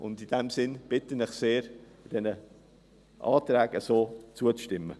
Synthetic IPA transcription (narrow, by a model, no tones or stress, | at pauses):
ʔʊ̰ndɪd̥ɛmsɪnb̥ɪtənɪχseːɾ | d̥ɛnə | ʔɑːt̪ɾɛːɡəsoːt͡suət͡sʃtɪmːə̰